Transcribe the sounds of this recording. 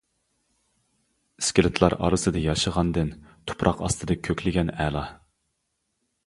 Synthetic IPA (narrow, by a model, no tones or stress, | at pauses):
skʲɪlɪt̪ʰlˠɑɾɑ̰ɾɨsɨd̪ɑjɑʃəʁɑnd̪ɨnt̪ʰo̥pʰɾʔɑqɑ̰st̪ʰɨd̪ɑkʲʰøkʲlɪɡʲɛnɛlˠɑ